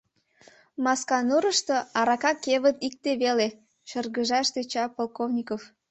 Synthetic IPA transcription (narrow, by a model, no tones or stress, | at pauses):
mɑskɑnuɾəʃt̪oɑɾɑkɑkeβət̪ik̚t̪eβele | ʃərɣəʒɑʃt̪et͡ɕɑpolkovnʲikof